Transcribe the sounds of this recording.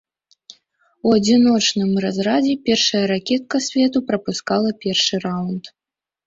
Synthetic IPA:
uɐd͡zʲinɔt͡ʂnɨmrazɾad͡zʲɛpʲɛrʂɐjɐɾakʲɛt̪̚kɐsʲvʲɛt̪upɾɐpuskalˠɐpʲɛrʂɨrawnt̪

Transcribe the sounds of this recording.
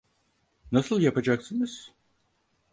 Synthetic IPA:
nasɯlˠjapad͡ʒaksɯnɯz̥

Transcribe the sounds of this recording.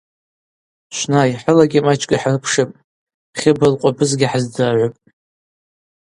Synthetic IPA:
ʃʷnajħəlaɡʲimat͡ʃʼkʲʼaħarpʰʂɨpʼ | χʲɪbɨlqʷʼabɨzɡʲɪħazdɨʕʷʊpʼ

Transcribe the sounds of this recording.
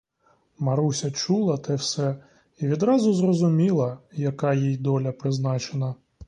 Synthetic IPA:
mɐɾusʲɐt͡ʃulˠɐt̪ɛwsɛ | iʋʲid̪ɾɑzʊzrɔzʊmʲilˠɐjɐkɑjijd̪ɔlʲɐpɾɪznɑt͡ʃenɐ

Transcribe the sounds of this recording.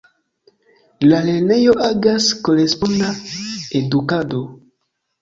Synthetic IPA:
lalenejoʔaɡaskoɾespond̪aed̪ukad̪o

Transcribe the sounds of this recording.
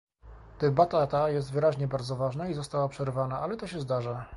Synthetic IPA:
d̪̥ɛbat̪at̪ajɛst̪vɘɾaʑɲɛbaɾd̪zɔvaʐnaizɔst̪awapʂɛɾvanaʔalɛt̪ɔɕɛzd̪aʐa

